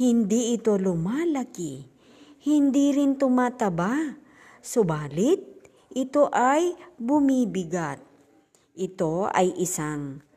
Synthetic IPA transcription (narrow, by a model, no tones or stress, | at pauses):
hɪnd̪iʔɪt̪o̞lʊmaːlaki | hɪnd̪iɾɪnt̪ʊmaːt̪ɐba | sobaːlɪt̪̚ | ʔɪt̪oʔajbʊmiːbɪɡat̪̚ | ʔɪt̪oa̰jʔɪsaŋ